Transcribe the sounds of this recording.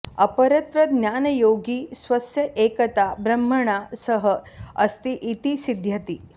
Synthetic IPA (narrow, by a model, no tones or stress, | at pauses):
ɐpəɾɐt̪ɾəd̪njaːnɐjoɡiːsʋɐsjɐʔekɐt̪abɾɐm̤ːəɳ̃asəɦəɐst̪iʔit̪isid̪ʱjɐt̪i